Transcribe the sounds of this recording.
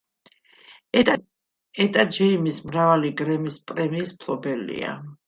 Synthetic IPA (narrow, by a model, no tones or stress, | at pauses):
ɛt̪ʼad͡ʒɛimismɾavaliɡɾɛmispʼɾɛmiːspʰlˠɔbɛlḭa̰